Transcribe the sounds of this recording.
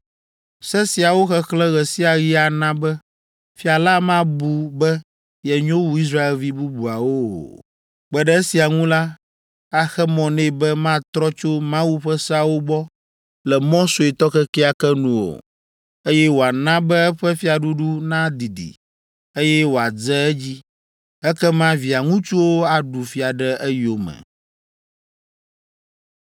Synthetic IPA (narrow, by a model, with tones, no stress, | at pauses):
sɛ˦si˨a˨wo˦xɛ˦xlɛ̃˦ɣɛ˨si˦a˨ɣi˦a˨nã˦bɛ˦ | fi˦a˨la˦mã˦bu˨bɛ˦ | jɛ˨ɲõ˦wu˨˦i˦s̬ɾa˦e˨lvi˦bu˦bu˨a˨wo̰˦˨ | k͡pɛ˨ɖɛ˦e˦si˨a˨ŋũ˦la˦ | a˦xɛ˦mɔ̃˨nɛ̃˦˨bɛ˦mã˦t̪ɾɔ˦t͡ʃo˦mã˦wu˦ɸɛ˦sɛ˦a˨wo˦bɔ˦ | lɛ˨mɔ̃˦so˨e˨t̪ɔ˦kɛ˦kɛ˦a˨kɛ˦nũ˦o̰˨ | e˦jɛ˦wo˨a˨nã˦bɛ˦ɛ˦ɸɛ˦fi˦a˨ɖu˦ɖu˦nã˦d̪i˨d̪ḭ˨ | e˦jɛ˦wo˨a˨d͡zɛ˦ɛ˦d͡ʑi˦ | ɛ˦kɛ˦mã˦vi˨a˨ŋũ˦t͡ʃu˦wo˦a˨ɖu˨fi˦a˨ɖɛ˦ʔɛ˦jo˦˨mɛ̰˨